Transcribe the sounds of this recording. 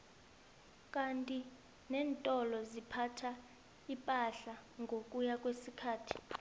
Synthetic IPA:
kʼantʼi | nɛːntʼɔlɔzipʰatʰa | ipʼaɬaŋɡʱokʼujakʼwesikʰaːtʰi̥

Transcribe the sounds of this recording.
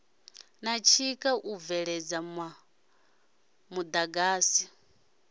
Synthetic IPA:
nat͡ʃʰikʼaʔuvɛɺɛd͡zama | mud̪aɡaːsi

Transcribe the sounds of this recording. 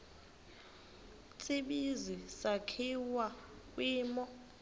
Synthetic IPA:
t͡sʰʼiɓizisakʰiwa | k̬ʼwiːmɔ

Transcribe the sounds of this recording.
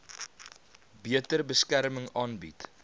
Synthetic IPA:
biətərbəskæɾməŋɑːnbḭt

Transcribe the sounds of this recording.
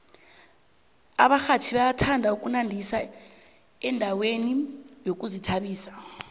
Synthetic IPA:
aɓaxat͡ʃʰiɓajatʰandʱauk̬ʼunandʱisa | ɛndʱawenijok̬ʼuzitʰaɓiːsḁ

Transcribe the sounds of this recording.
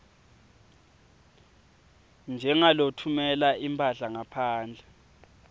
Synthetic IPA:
nd͡ʒʱɛŋalotʰumɛlaʔimpʰʼaɮaŋapʰaːnd͡ɮʱɛ

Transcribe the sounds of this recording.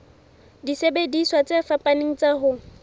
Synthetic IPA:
disebediswat͡sʼefapʼaneŋ̩t͡saɦʊ

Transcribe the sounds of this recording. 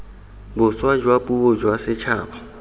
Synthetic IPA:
bʊswad͡ʒwapʼuʊd͡ʒwasɪt͡ʃʰaːbɔ

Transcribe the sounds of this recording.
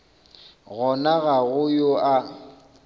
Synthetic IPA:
ɣɔnaɣaɣʊjoʔa

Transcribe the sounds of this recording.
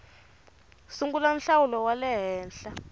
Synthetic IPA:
suŋɡulan̩ɬawulɔwalɛɦɛːnɬa

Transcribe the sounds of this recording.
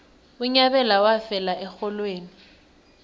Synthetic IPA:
ʊɲabɛlawafɛlaʔɛxɔlweːni

